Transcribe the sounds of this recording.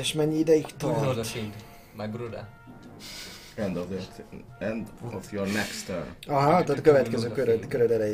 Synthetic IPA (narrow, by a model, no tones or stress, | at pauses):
eʃmɛɲːiid̪ɛjikt̪ɒid̪ | majbɾud̪ə̰ | ɛ̃ndɔv | ɛ̃ndɔvjɔɹnɛkst̪ʰə̰nɑɦat̪at̪køvɛt̪kɛzøːkøɾød̪køɾød̪ɛɾɛj